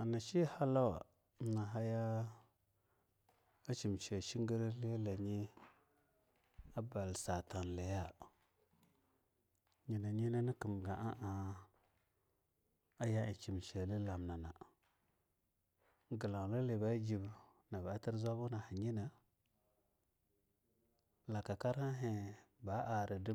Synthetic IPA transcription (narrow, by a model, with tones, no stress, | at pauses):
a˨na˨ʃi˦ha˦la˦wa̰˨˦ | na˨ɦa˦ja˦ | a˦t͡ʃi˨mt͡ʃe˨ʃi˦ŋ˦ɡə˦ɾle˦la˨ɲi˦ | a˦ba˨lsa˨ta˨n˨la˨ja˦ | ɲi˨na˨ɲi˦na˦ni˦ki˨m˨ɡa˨ʔa˦ʔa˨ | a˦ja˦i˨t͡ʃi˨mt͡ʃe˨li˦la˨mna˨na˨ | ɡə˨la˨la˦le˨ba˦d͡ʒi˨b | na˨ba˨˦ti˦ɾzʷa˦bu˦na˨ha˨ɲi˦na˨ | la˨ka˨ka˦ɾa˦ɦe˨ba˦ʔa˨ɾə˨di˦